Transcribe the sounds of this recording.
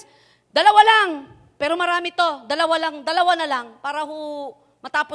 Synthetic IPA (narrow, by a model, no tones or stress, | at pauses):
d̪̥ɐlɐwalaŋ | pɛːɾomɐɾaːmɪt̪o̞d̪ɐlɐwalɐŋd̪ɐlɐwanɐlaŋpaːɾɐɦo | mɐt̪aːpo